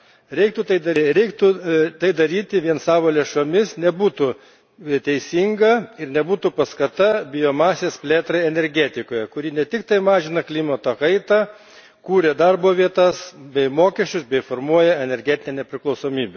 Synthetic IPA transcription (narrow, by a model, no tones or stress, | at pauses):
ɾʲɛɪkt̪ut̪ɐɪd̪ɐɾʲɛɪkt̪ʊt̪ɐɪd̪ɐɾʲiːt̪ʲɪʋʲiɛnsɑːʋoːlʲeːʃomʲɪsnʲɛbuːt̪ʊ | t̪ʲɛɪsʲiŋɡɐɪɾnʲɛbuːt̪ʊpɐskɐt̪ɐbʲɪjoːmɑːsʲespʲlʲeːt̪ɾɐɪɛnʲɛɾʲɡʲæːt̪ʲɪkoːjɛkʊɾʲiːnʲɛt̪ʲɪkt̪ɐɪmɑːʒʲɪnɐklʲiːmɐt̪oːkɐɪt̪ɑː | kuːɾʲɛd̪ɐrboːʋʲiɛt̪ɐsbʲɛɪmoːkʲɛʃʲt͡ʃʲʊsbʲɛɪfoːrmuɔjɛɛnʲɛɾʲɡʲɛːt̪ʲɪnʲɛːnʲɛpʲɾʲɪklˠɐʊsoːmʲiːbʲɛ